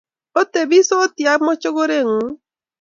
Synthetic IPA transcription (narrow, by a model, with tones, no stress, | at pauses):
o˦t̪e˨bi˦soː˦t̪ja˨˦mɔ˦t͡ʃo˦ɡo˦ɾe˦˨ŋu˨˦